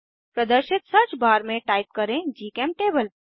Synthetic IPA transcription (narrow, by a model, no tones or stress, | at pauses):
pɾəd̪əɾʃɪt̪sɐt͡ʃbaːɾmẽʈaːɪp̚kɐɾẽd͡ʒiːkeːmʈeːbəl